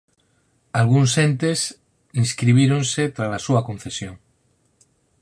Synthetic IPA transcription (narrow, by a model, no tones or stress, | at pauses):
alɣ̞unsent̪es | inskɾiβ̞iɾonset̪ɾalasuakõnθesjoŋ